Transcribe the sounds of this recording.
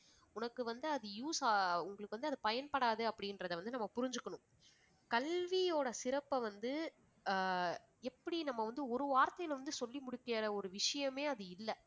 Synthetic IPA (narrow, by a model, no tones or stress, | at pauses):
ʊnɐkːɯʋɐnd̪ɯɐðɯjuːsaʊŋɡɐɭɯkːɯʋɐnd̪ɯɐðɯpɐjɐnpɐɽaːðɯɐpːɐɽɪnrɐðɐʋɐnd̪ɯnɐmːɐpʊɾɪɲd͡ʒɯkːɐɳʊ̃ | kɐlʋijoːɽɐsɪɾɐpːɐʋɐnd̪ɯ | ɛpːɐɽinɐmːɐʋɐnd̪ɯɔɾɯʋaːɾt̪ːɐjɪlʋɐnd̪ɯsɔlːimʊɽɪkːɪɐɾɐɔɾɯʋɪʂɐjɐmeːɐðɯɪlːɐ